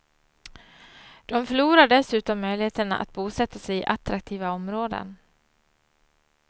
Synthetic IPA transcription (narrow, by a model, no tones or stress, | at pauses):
d̪̥ɔmfœɭuːɾaɖɛsʉ̟ːt̪ɔmːœjlɪheːt̪əɳa̰ʔa̰t̪̚buːsɛt̪ːasɛjɪʔat̪ɾak̚t̪ʰiːvaɔmɾoːd̪ə̰n